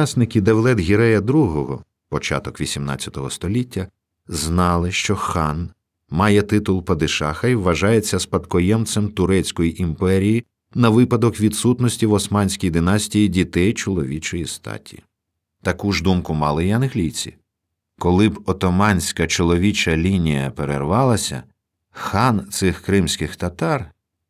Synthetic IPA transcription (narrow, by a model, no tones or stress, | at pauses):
snɪkʲɪd̪ewlˠɛd̪ɦʲiɾɛjɐd̪ɾuɦɔɦɔ | pɔt͡ʃɑ̰t̪ɔkʋʲisʲimnɑ̰t͡sʲːɐt̪ɔɦɔst̪ɔlʲitʲːɐ | znɑlˠɪʃt͡ʃɔxɑn | mɑjɛt̪ɪt̪ʊlˠpɐd̪ɪʃɑxɐjʋːɐʒɑjet͡sʲːɐspɐt̪kɔjɛmt̪semt̪ʊɾɛt͡sʲkɔjiʔimpɛɾʲiji | nɐʋɪpɐd̪ɔkʋʲid̪sut̪nɔsʲtʲiwɔsmɑnʲsʲkijd̪ɪnɑsʲtʲijidʲit̪ɛjt͡ʃɔlˠɔʋʲit͡ʃɔjist̪ɑ̰tʲiji | t̪ɐkuʒd̪umkʊmɑlˠɪjɐnɦlʲijt͡sʲḭ | kɔlˠɪbɔt̪ɔmɑnʲsʲkɐt͡ʃɔlˠɔʋʲit͡ʃɐlʲinʲijɐ̰peɾḛrʋɑlˠɐsʲɐ̰ | xɑnt̪sɪxkɾɪmsʲkɪxt̪ɐt̪ɑr